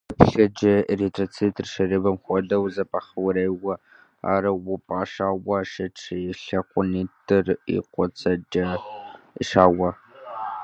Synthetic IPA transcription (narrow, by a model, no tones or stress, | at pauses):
ɐpɬɐd͡ʒɐretʼrɐt͡sʰitʰʼɨrʃɐrɨbɐmxʷɔdɐwzɐpʼaχɐwɾejwɐ | a̰ːɾɐwʊpʼaːʃaːwɐʃɐʈ͡ʂʰɬɐqʷʼʊniːtʰʼɨrḭqʷɔt͡sʰɐd͡ʒɐ | ʃaːwɐ